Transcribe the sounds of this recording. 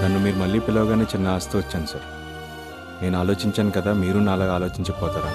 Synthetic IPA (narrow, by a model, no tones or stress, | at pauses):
ɡɐnːimiːɾumɐlːiːpilːɐʋɐɡaːne̞ːt͡ʃinːɐaːst̪uːʋɐt͡ʃːaːnusɐːɾ | ne̞ːnuaːlo̞ːt͡ʃiɲt͡ʃaːnukɐd̪aːmiːɾunaːlːɐɡaːlo̞ːt͡ʃiɲt͡ʃɐpɔːt̪aːɾaː